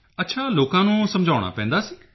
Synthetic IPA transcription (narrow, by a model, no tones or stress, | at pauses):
ət̪ːʃʰaːloːkãːnũːsəmd͡ʒʱaːʊɽ̃a̰ːpɛ̃ːnd̪aːsiː